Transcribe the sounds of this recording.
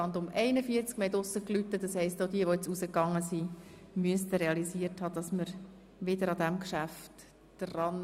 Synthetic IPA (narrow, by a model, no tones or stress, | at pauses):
ɑndʊmɛɪnəfiəɾt͡skmɛtʊsːəklytːəd̥ɑshɛɪstodiəʋojɛt͡susəkɑŋːəsi | myəstəɾeɑlisiəthɑːd̥ɑsməɾ | ʋɪdəɾɑd̪æmkʃæft | d̥rɑn